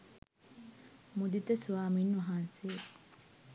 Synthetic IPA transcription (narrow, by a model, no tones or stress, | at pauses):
mud̪it̪ɐsuaːminːuʋɐɦaːnseː